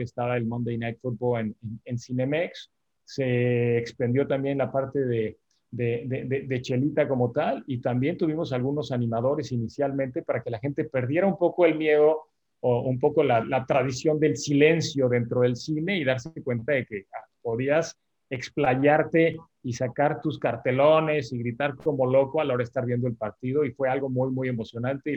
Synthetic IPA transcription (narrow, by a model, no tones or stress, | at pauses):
est̪aβaelmõnd̪ejnajt̪fut̪̚bolenenensine̞meksː | e̞ːkspend̪jo̞t̪ambje̞nlapaɾt̪e̞ðe̞ | ðeðeðed̪e̞t͡ʃe̞lit̪ako̞mo̞t̪alit̪ambje̞nt̪uβimo̞s̬alɣuno̞sanĩmaðo̞ɾe̞sinisjalmẽ̞nt̪e̞paɾake̞laxe̞nt̪e̞pe̞ɾðje̞ɾaumpo̞ko̞e̞lmje̞ðo̞ | oumpo̞ko̞lalat̪ɾaðisjo̞nd̪e̞lsile̞nsjo̞ðe̞nt̪ɾo̞ð̞e̞lsine̞iðaɾsekwe̞nt̪aðe̞ke̞a | po̞ðias | eksplaʝaɾt̪e̞ | isakaɾt̪uskaɾt̪e̞lo̞ne̞siɣɾit̪aɾko̞mo̞lo̞koalao̞ɾaest̪aɾβjend̪oelpaɾt̪ið̞o̞ifwe̞alɣo̞mujmuje̞mo̞sjo̞nãnt̪e